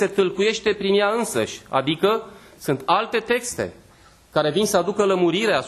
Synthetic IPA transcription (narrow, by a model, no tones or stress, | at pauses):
se̞t̪ɨlkuje̞ʃt̪e̞pɾinjaɨnsə̰ʃʲa̰d̪ikə | sunt̪alt̪e̞t̪e̞kst̪e̞̰ | kaɾe̞vinsəad̪ukələmuɾiɾea